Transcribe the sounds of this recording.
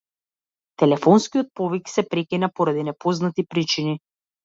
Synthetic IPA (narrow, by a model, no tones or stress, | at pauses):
t̪ɛlɛfɔnskijɔt̪̚pɔviksɛpɾɛkinapɔɾad̪inɛpɔznat̪ipɾit͡ʃini